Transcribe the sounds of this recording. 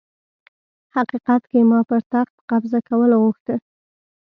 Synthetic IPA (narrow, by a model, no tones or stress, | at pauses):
haqiqat̪kemɑpəɾt̪axt̪̚qabzakawəlaɣuxt̪ə